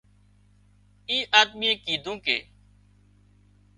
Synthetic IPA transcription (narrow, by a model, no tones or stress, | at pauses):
iːʔaːd̪̚miẽːkiːd̪ʱũːkḛː